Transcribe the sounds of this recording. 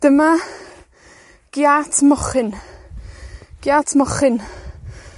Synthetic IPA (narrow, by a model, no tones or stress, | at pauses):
d̥əma | ɡ̥jatʰmɔχɪn | ɡ̥jatʰmɔχɪn